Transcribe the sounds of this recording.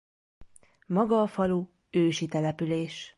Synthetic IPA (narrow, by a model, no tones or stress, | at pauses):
mɒɡɒːfɒluː | øːʃit̪ɛlɛpyleːʃ